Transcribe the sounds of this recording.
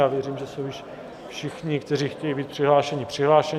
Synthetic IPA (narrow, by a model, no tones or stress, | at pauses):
aːvjɛriːmʒɛsowjɪʃ | fʃɪxɲɪkt̪ɛriːxcɛjibiːt̪̚pr̥ɪɦlaːʃɛɲɪpr̝̥ɪɦlaːʃɛ